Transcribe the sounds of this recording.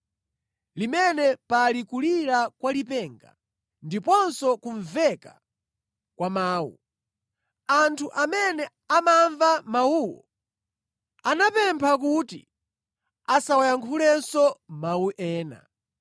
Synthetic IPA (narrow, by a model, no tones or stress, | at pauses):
limɛnɛpalikuliɾakwalipɛŋɡa̰ | ndipɔnsɔkuɱvɛka | kwamaːwṵ | antʰuʔamɛnɛ | amaɱvamawuːwɔ̰ | anapɛmpʰak̬utḭ | asawajaŋkʰulɛnsɔmawuʔɛːna̰